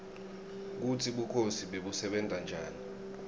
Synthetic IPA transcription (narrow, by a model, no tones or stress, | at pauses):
k̬utʰiɓukʰosiɓeɓusɛɓɛnd͡zʱand͡ʒʱaːni